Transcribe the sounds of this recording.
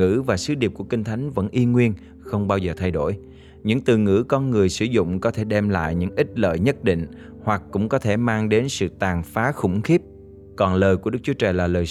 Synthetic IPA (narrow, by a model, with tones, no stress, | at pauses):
ɨ̰˧˥vaː˨˩sɨ˨˦ɗi˨˩p̚ku˧˩əki˧ŋ̟t̪ʰa˨˦jŋ̟və̰˧˥nʔi˧ŋwi˧ən | xə˧wŋ͡mɓaː˧wzəː˨˩t̪ʰa˧jɗo˧˩j | ɲɨ̰˧˥ŋt̪ɨ̰˧˨ŋɨ̰˧˥kɔ˧nŋɨ˨˩əjsɨ˧˩zʊ̰˧˨ŋ͡mkɔ˨˦t̪ʰe˧˩ɗɛ˧mla̰ː˧˨jɲɨ̰˧˥ŋʔi˦˥t̚lə̰ː˧˨jɲə˦˥t̚ɗḭ˧˨ŋ̟ | hwa˨˩k̚kːʊ̰˧˥ŋ͡mkɔ˨˦t̪ʰe˧˩maː˧ŋɗe˨˦nsɨ̰˧˨t̪aː˨˩ŋfaː˨˦xʊ̰˧˩ŋ͡mxi˦˥p̚ | kɔ˨˩nləː˨˩jku˧˩ɗɨ˦˥k̚t͡ɕu˨˦t͡ɕaː˨˩laː˨˩ləː˨˩